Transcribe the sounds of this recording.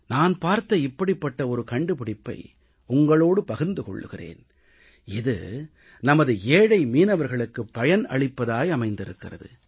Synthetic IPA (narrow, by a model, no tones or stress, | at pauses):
naːnpaːɾt̪ɐɪpːɐɽɪpːɐʈːɐɔɾɯkɐɳɖɯpɪɽɪpːɐ̰ɪ | ʊŋɡɐɭoːɽɯpɐɣɯɾnd̪ɯkɔ̰ɭːɯ̰ɣɪrḛːn | ɪðɯ̰ | nɐmɐðɯeːɽɐɪmiːnɐʋɐɾɣɐɭɯkːɯpːɐjɐnɐ̰ɭɪpːɐðaːjɐmɐɪnd̪ɪɾɯkːɪrɐ̰ðɯ̰